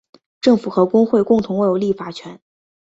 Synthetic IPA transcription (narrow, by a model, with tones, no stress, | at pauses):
ʈ͡ʂɤ˥˩ŋfu˨˩xɤ˧˥kʊ˥ŋxwe˥˧ɪkʊ˥˩ŋt̪ʰʊ˧˥ŋwe˥˩ɪjo˧˩ʊli˥˩fa˨˩t͡ɕʰɥɛ˧˥n